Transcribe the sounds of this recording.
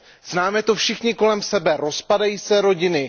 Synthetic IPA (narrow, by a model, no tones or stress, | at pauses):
z̥naːmɛt̪o̞fʃɪxɲɪko̞lɛmsɛbɛɾo̞spadajiːsɛɾo̞ɟɪnɪ